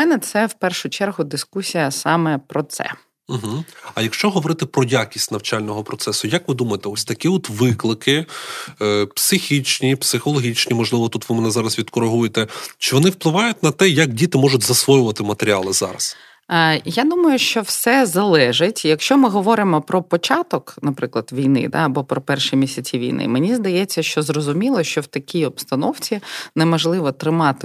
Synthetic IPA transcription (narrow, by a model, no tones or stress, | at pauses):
mɛnɛt̪sɛwpɛrʃʊt͡ʃɛrɦʊd̪ɪskusʲijɐsɑmɛpɾɔt̪sɛ̰ | m̩ɦm̩ɐjɐkʃt͡ʃɔɦɔʋɔɾɪt̪ɪpɾɔjakʲisʲtʲnɐwt͡ʃɑlʲnɔɦɔpɾɔt̪sɛsʊjɐkʋɪd̪umɐjet̪ɛɔsʲt̪ɐkʲiɔt̪ʋɪklˠɪkɪ | psɪxʲit͡ʃnʲipsɪxɔlˠɔɦʲit͡ʃnʲimɔʒlˠɪʋɔt̪ut̪ʋɪmɛnɛzɑɾɐsʋʲid̪kɔɾɪɦujet̪ɛt͡ʃɪʋɔnɪwplˠɪʋɑjʊt̚ʲnɐt̪ɛjɐkdʲit̪ɪmɔʒʊtʲzɐsʋɔjʊʋɐt̪ɪmɐt̪eɾʲialˠɪzɑ̰ɾɐs | jad̪umɐjʊʃt͡ʃɔwsɛzɐlˠɛʒɪtʲjɐkʃt͡ʃɔmɪɦɔʋɔɾɪmɔpɾɔpɔt͡ʃɑt̪ɔknɐpɾɪklˠɐd̪ʋʲijnɪ̰d̪a̰ɐbɔpɾɔpɛrʃimʲisʲɐt͡sʲiʋʲḭjnɪ̰menʲizd̪ɐjɛt͡sʲːɐʃt͡ʃɔzrɔzʊmʲilˠɔʃt͡ʃɔwt̪ɐkʲiɔpst̪ɐnɔwt͡sʲinɛmɔʒlˠɪʋɔt̪ɾɪmɑt̪ɪ